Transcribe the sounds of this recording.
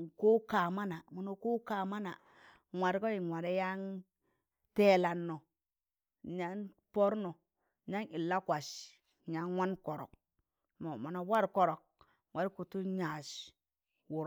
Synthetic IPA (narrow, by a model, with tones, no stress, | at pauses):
ko˦ka˨ma˦na˨mo˨no˨ku˦ka˨ma˦na˨ | ŋʷwa˨ɾko˦i˨ŋʷwa˨ɾe˦ja˦ŋ | te˦la˨nːo˨ | ɲa˦n | po˦ɾno˨ | ɲa˦ŋi˨lːa˦kʷa˨s | ɲa˨nwa˦nko˨ɾo̰˨k̚ | mo˨ma˨no˨wa˦ɾko˨ɾo˨k̚ | wa˨ɾi˦ku˨tu˦ɲa˨s | wu˨ɾ